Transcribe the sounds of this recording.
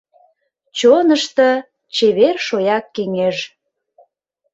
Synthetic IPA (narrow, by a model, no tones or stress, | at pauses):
t͡ɕonəʃt̪ə̆ | t͡ɕeβerʃojɑkːeŋeʒ